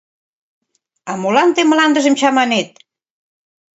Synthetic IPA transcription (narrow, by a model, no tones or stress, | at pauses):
ɑmolɑnt̪eməlɑnd̪ə̆ʒə̆mt͡ɕɑmɑnet̪̚